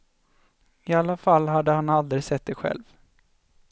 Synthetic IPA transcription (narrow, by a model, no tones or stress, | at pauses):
ɪalːafalːɦad̪ːəhanald̪ɾɪsɛt̪̚d̪ɛɧɛ̰lv